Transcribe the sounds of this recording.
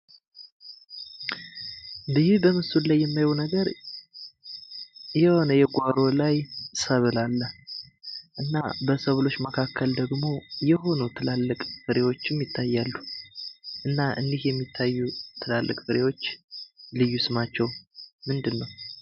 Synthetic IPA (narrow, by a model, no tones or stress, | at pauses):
bɨhibəmɨsulajːɛmːajwnəɡəɾ | jɛho̞nəjɛɡʷaɾo̞lajsəβɨlalːə | ʔɨnːabəsəβlo̞t͡ʃːməkʰakːəld̪əɡmo̞jɛɦo̞nut̪ʰɨlalːəkʼfɨɾewo̞t͡ʃːɪmjɪt̪ʰːajːalːu | ʔɨnːaʔɨnd̪ihjɛmːit̪ʰːajːut̪ʰɨlalːə̰kʼfɨɾewo̞t͡ʃːlɨjːusɨmat͡ʃːɛwmɨnd̪ɨnːəw